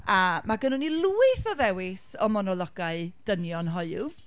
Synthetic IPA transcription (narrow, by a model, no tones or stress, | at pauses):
amaɡənʊnilˠuːɨθɔðɛwɪsɔmɔnɔlˠɔɡaɨd̥ənjɔnɦɔjʊ